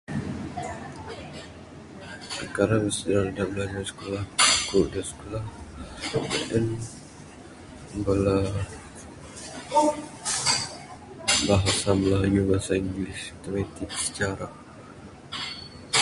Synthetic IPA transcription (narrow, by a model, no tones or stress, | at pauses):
kəkaɾaŋəsədɾaldabəlaɲasə̥kolahkuʔdasə̥kolah | bə̰ʔɛn | bəla | baɦasaməlajubasaiŋɡlist̪əmet̪iksə̥t͡ʃaɾa